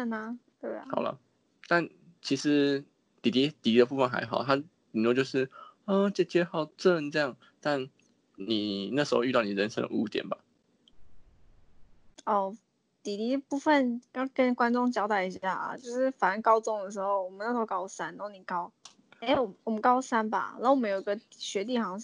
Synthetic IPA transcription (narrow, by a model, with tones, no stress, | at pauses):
ə˥˩na˧t̪we˥˩ɪ̰˨˩hɑ˨˩ʊlə̰˦ | t̪a˥˩n | t͡ɕʰi˧˥ʂɻ̩˧˦ | t̪i˨˩t̪i˧˥t̪i˨˩i˧d̪ə˧p̬u˥˧fə˥˨nxa̰˧˦ɪɦɑ˨˩ʊt̪ʰa˥ | i˨˩ŋnwɔ˥˧t͡ɕjo˥˧ʊʂɻ̩˥˩ə˥˧t͡ɕə˥˧t͡ɕjɛ˥xɑ˥˧˩ʊʈ͡ʂə˥˧˩ŋʈ͡ʂɤ˥˧jɑ˥˨˩ŋ | t̪a˥˩n | ni˨˩na˥˩ʂɻ̩˧˥xo˧y˧t̪ɑ˥˩ni˨˩ɻə˧˦nʂə̰˥ŋd̪ə̰˨ṵ˥˧t̪jɛ̰˨˩nba˨˩ | ɔ˥˩ | t̪i˨˩t̪i˧˥d̪ə˨pu˥˧fə˨˩njɑ˥˩kə˦nkwa˥nʈ͡ʂʊ˥˧ŋt͡ɕjɑ˥ʊt̪a˥˩i˧˥ɕja˥˩ɐ̰˩t͡ɕjo˥˧ʊʂɻ̩˥˩fa˨˩nə˥nkɑ˥ʊt͡sʊ˥˩ŋd̪ə˨˩ʂ̬ɻ̩˧˥xo˥˩ʊwɔ˨˩mə˦na˥˩ʂkɑ˥ʊ˧sa˥na˧˥o˥˩ni˨˩kɑ˥ʊ | e˥˩ɪwɔ˨˩mwɔ˨˩mə˦nkɑ˥ʊsa˥nba̰˨n˨˧˥wmə˦jo˨˩i˧˥ɡə˧ɕɥɛ˧˥t̪̬i˥˩xɑ˧˥ŋ